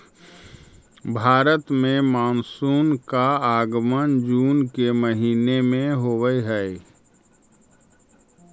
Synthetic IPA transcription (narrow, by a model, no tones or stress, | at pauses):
bʱaːɾət̪mẽmaːnsuːnkaaːɡmənd͡ʒuːnkeməɦiːnemẽɦoːwəiɦɛɪ